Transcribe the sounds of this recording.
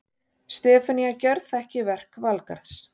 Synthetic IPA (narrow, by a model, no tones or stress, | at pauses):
st̪ɛːfaniacœɾθɛhcɪvɛr̥kvalka̰ɾθs